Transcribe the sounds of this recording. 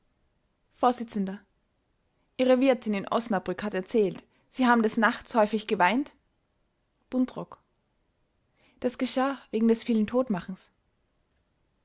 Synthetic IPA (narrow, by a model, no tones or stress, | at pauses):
foːɐz̥ɪt͡sən̩dɐ | ʔiːʁəvɪɐtʰɪnɪnʔɔ̰snabʁʏkhatɛɐt͡sɛːlt | z̥iːhaːbm̩dɛsnaχt͡shɔʏfɪçɡ̥əvaɪnt | b̥ʊntʁ̥ɔk | d̥asɡ̥əʃaːveːɡŋ̩dɛsfiːləntʰoːtmaχn̩s